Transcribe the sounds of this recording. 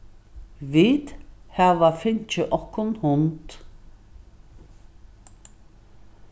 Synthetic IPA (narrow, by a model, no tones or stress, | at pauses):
viːt̪haʋafɪnt͡ʃəʔɔkːʊnhʊnt̪